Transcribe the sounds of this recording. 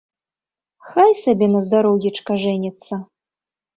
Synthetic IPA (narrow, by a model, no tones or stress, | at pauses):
xajsabʲɛnɐzd̪aɾɔwjʲɛt͡ʂkɐʐɛnʲɛt̪sːɐ